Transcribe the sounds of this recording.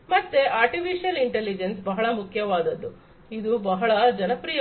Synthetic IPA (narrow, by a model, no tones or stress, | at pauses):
mɐt̪ːeʔaːɾʈipʰiʃijɐliɳʈelːid͡ʒensbɐɦɐɭɐmukʰjɐʋaːd̪ɐd̪ːu | id̪ubɐɦɐɭɐd͡ʒɐnɐpɾiːjɐ